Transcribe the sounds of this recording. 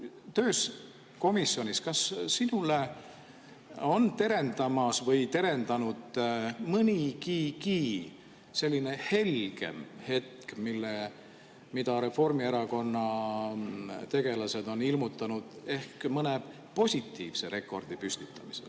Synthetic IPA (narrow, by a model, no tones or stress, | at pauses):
t̪ø̞ːs | ko̞misːjo̞nʲiskɑsːinule̞ | o̞nt̪e̞ɾe̞nd̪̥ɑmɑsvɤjt̪e̞ɾe̞nd̪ɑnud̪̥mɨnʲikiːkiː | se̞lʲːine̞he̞lɡ̥e̞̰mhe̞t̪̚kmilːe | mid̪ɑɾe̞fo̞rmieɾɑko̞nːɑ | t̪e̞ɡ̥e̞lɑse̞d̪̥o̞nilmut̪ːˑɑnud̪̥e̞hkmɤne̞ | po̞sʲit̪ːiːv̥se̞ɾʔe̞kːˑo̞̰rd̪̥ipysʲt̪it̪ːˑɑmisḛl